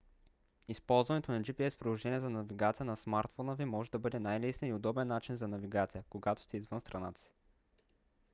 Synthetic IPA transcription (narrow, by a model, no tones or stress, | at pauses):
ispɔlˠzvɐnɛt̪onɐd͡ʒipiɛspɾid̪ˠoʒɛniəzɐnɐviɡat̪sijənɐsmaɾt̪fɔnəvimɔʒɛd̪ɐbɤd̪ɛnajlisniiod̪ɔbɛnːat͡ʃinzɐnɐviɡat̪sijəkoɡat̪o̥st̪ɛizvɤnst̪ɾɐna̰t̪ə̥si̥